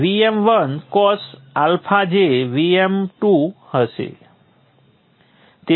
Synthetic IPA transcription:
ʋiemʋənkɔs | alpʰad͡ʒeʋiemʈuhəʃḛ | t̪e

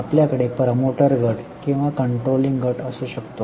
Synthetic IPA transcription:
apljakəɽepɾmoʈəɾɡəʈkĩw̃ʋakəɳʈɾoliŋɡɡʱəʈəsuɕəkt̪o

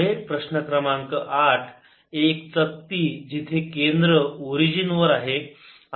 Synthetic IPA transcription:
epɾəɕnəkɾəmaŋkəʔaʈʰ | ek̚t͡sək̚t̪iːd͡ʑit̪ʰekend̪ɾəoɾid͡ʑinʋəɾaɦe

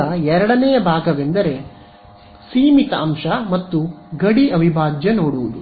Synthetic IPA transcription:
ɐɛɾɐɽɐnɛjɐbʱaːɡɐʋe̞nd̪ɐɾe̞ | siːmit̪ɐɐmʃɐmɐt̪ːuɡɐɽiɐʋʱibʱaːd͡ʒjɐnoːɽuʋud̪u

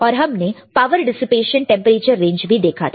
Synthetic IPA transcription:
ɔːɾɦɐmnepaːʋəɾɖɪsɪpeːʃə̃nʈɛ̃mpəɾeːt͡ʃəɾːẽːɲd͡ʒbʱid̪eːkʰa̰t̪ʰ

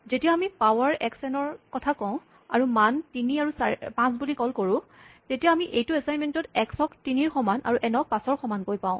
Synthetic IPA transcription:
zetijaːmipawaɹɛksɛnɔɹkɔtʰakɔʊ̃ | a̰ɹumantiniaɹusapãsbulikɔlkoɹʊ̃tetijaːmiʔejtuɛsajnmɛntɔtɛksɔktiniɹxɔmanʔa̰ɹuʔɛnɔk̚pãsɔɹxɔmankojpaʊ̃

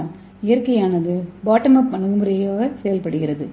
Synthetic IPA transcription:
ɪjɐɾkɐjaːnɐðɯbaːʈːɐmɐpɐɳɯɣɯmɯɾɐjoːɣɐsɛjɐlpɐɽɯɣɪɾɐðɯ

